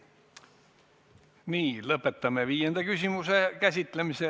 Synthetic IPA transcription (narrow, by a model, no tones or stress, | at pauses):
niːlɤpːˑet̪ːɑmːeʋiːjend̪ɑkysʲimusekæsʲit̪ːlemise